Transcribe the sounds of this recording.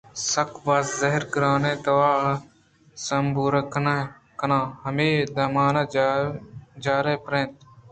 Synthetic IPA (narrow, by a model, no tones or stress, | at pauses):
səkʰbaːzzəɦɪɾkəɾaːnẽːt̪əʋaː | səmbʱuːɾəkn | kənãːhəmeːd̪ɐmaːna | d͡ʒaːɾeːpɾẽːnt̪̚